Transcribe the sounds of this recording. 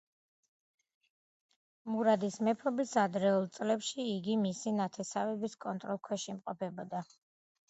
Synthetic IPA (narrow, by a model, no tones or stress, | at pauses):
muɾad̪ismɛpʰɔbisad̪ɾɛulˠt̪sʼlɛpʃiːɡimisinat̪ʰɛsavɛbiskʼɔnt̪ʼɾɔlˠkʰwɛʃimqʼɔpʰɛbɔd̪a